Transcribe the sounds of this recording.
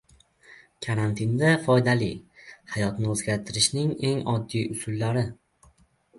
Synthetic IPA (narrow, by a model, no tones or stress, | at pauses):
kʰaɾant̪ʰɪnd̪afɒjd̪alihajɒt̪nɪɵzɡʲaɾt̪ʰɪɾɪʃnɪŋe̞ŋɒd̪ːijʊsʊlˠːaɾɪ